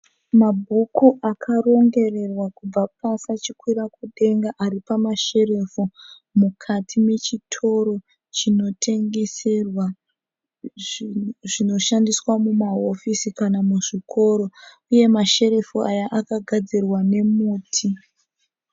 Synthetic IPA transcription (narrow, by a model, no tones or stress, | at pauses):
mabʱukuʔakʰaro̞ŋɡe̞re̞rwakub͡vapasat͡ʃikwiɾakuɗe̞ŋɡaʔaɾipamaʃe̞re̞fu | mukʰatʰime̞t͡ʃitʰo̞ɾo̞ | t͡ʃino̞tʰe̞ŋɡe̞serwa | ʐino̞ʃandiswamumaɦofisikanamuʐikʰo̞ɾo̞ | uje̞maʃe̞ɾe̞fuajaʔakaɡʱad͡zirwane̞muːtʰi